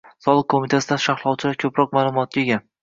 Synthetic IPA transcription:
sɒlˠɨq̚kʰːomit̪ʰasɪd̪aʃaχlˠɒwt͡ʃʰɪlaɾkʲʰɵpɾɒqmaːlˠʊmɒt̪̚kʲaeɡʲa

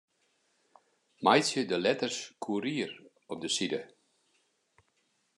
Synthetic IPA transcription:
majsjədəlɛtərskʰuəɾiər | ɔp̚dəsidə

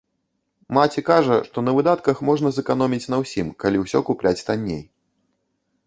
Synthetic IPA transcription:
mat͡sʲikaʐɐʂt̪ɔnɐvɨd̪at̪kɐxmɔʐnɐzɛkanɔmʲit͡sʲn̪ɐwsʲimkalʲiwsʲɔkuplʲat͡sʲt̪anʲːḛj

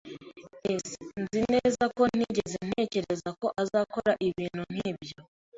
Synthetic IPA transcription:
esnzine̞ːzako̞n̥iɟe̞zen̥e̞ːce̞ɾezako̞ʔazaːko̞ɾaʔiβiːn̥un̥iːbjo

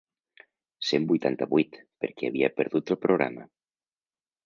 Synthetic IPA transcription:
sembujt̪ant̪aβujt̪peɾkeaβiapeɾðut̪opɾoɣɾa̰ma̰

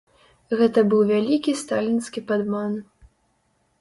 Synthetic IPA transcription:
ɣɛt̪ɐbɨwvʲalʲikʲist̪alʲinskʲipad̪man

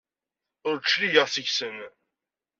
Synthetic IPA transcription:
ʊɾt͡ʃːlijəʁθəʝsən

